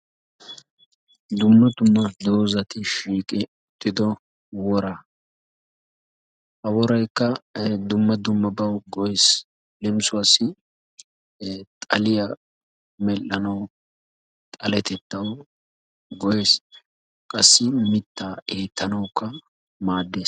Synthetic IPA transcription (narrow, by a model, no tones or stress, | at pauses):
d̪ʊmːɐd̪ʊmːɐd̪o̞ːzɐt̪ɪʃiːkʼɪ | ʊt̪ʼːɪd̪ɔ | wɔɾɐ | hɐwɔɾɐjkːɐd̪ʊmːɐd̪ʊmːɐbɐwɡɔjes | lɛmsʊɐsɪ | t̪ʼɐlɪjɐ | mɛlːɐnɐw | t̪ʼɐlɛt̪ɛt̪ːɐw | ɡɔje̞ːs | kʼɐsːɪmɪt̪ːaːʔeːt̪ːɐnɐwkːɐ | maːd̪ːe̞ːs